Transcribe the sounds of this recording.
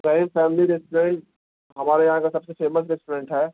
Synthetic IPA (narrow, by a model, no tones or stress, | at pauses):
ɾɐɦĩmfɛːmliɾɛsʈɾẽɳʈ̚ | ɦɐmaːɾajɐɦãkasɐbsefeːməs̬ɾɛsʈoɾẽːɳʈɦɛː